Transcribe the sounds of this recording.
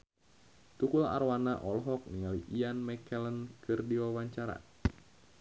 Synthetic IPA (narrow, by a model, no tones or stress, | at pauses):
t̪ukula̰ɾwanaʔɔlɦɔk̚niŋaliʔianmɛkɛlənkʰɨrdiwawaɲt͡ʃaɾa̰